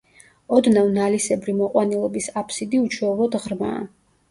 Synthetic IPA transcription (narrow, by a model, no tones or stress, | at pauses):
ɔd̪navnalisɛbɾimɔqʼwanilˠɔbisapʰsid̪iut͡ʃʰɛːvɔd̪ʁɾma̰ː